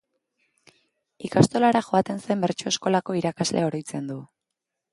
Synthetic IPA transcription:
ikast̪o̞laɾaxo̞at̪e̞nsajmbe̞ɾt͡ʃoe̞sko̞lako̞iɾakazle̞o̞ɾojt͡se̞nd̪u

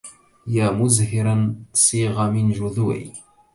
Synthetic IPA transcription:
jamʊzhɪɾansˤiːʁɑmɪnʒʊðwḭ

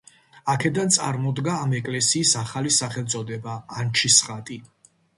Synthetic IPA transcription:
akʰɛd̪ant̪sʼa̰ɾmɔd̪ɡaːmɛkʼlɛsiːsaχalisaχɛlˠt̪sʼɔd̪ɛbaːnt͡ʃʰisχat̪ʼi

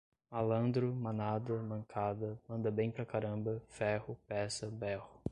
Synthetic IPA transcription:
alɐ̃nd̪ɾʊmɐ̃nad̪ɐmɐ̃ŋkʰad̪ɐmɐ̃nd̪ɐbẽj̃pɾɐkaɾɐ̃mbɐfɛhʊpɛsɐbɛhʊ

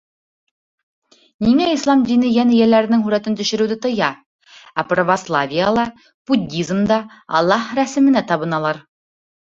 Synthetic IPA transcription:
niŋæislˠɑmd̪inɘjænɘjælːæɾɘ̆nɘŋɦʉɾæt̪ɘnt̪ɵ̆ʃɘ̆ɾʉwd̪ɘt̪ɤ̆jɑ | æprəvɐslˠavʲijəlˠɑ | b̥udʲːizmd̪ɑ | ɑ̰lˠːɑhɾæsɘ̆mɘ̆næt̪ɑβɤ̆nɑlˠɑɾ

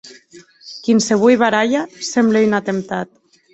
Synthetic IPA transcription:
kinseβujβaɾaʎasembleinat̪emt̪at̪̚

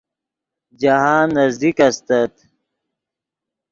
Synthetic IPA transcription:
d͡ʑaɦãːnːɐzd̪ikɐst̪ɐt̪

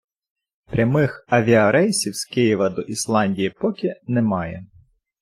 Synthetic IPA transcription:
pɾʲɐmɪxɐʋʲiɐɾɛjsʲiwskɪjiʋɐd̪ɔʔislˠɑnʲdʲijipɔkʲinɛmɑjɛ̰

